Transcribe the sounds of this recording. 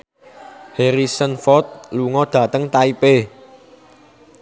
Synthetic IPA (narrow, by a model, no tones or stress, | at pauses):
heɾisənfɔt̪̚luŋɔd̪̥ä̤t̪əŋt̪aipe